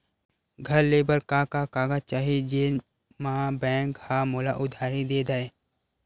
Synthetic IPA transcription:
ɡʱɐɾleːbəɾkaːkakaːɡat͡ʃaːɦed͡ʒe | mɐãbɛ̃ːŋkhaːmoːla̰ʔʊd̪ʱaːɾid̪eːd̪aːeː

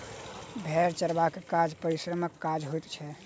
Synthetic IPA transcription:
bʱɛɾt͡ʃəɾbakekad͡ʒpəɾisɾəməkːad͡ʒɦojt̪t͡ʃʰɛ

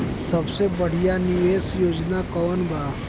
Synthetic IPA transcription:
sɐbsebɐɽ̤ijanijeːsjoːd͡ʒnakɔːnbʱaː

